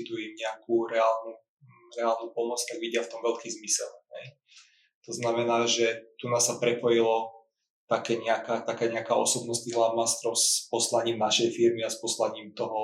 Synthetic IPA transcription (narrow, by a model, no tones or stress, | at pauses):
d̪uimɲɛakuɾɛaːlnu | ɾɛaːlnupɔmɔt͡st̪aɡʋiɟɪaft̪ɔmʋɛʎkiːzmisɛlɦɛj | t̪ɔznamɛnaːʒɛt̪unasːapɾɛpɔjilɔ | t̪akɛːɲɛakaːt̪akaːɲɛakaːʔɔsɔbnɔst̪iːɦlamast̪ɾɔʊspɔslaɲiːmnaʃɛjfiɾmiaspɔslaɲiːmt̪ɔɦɔ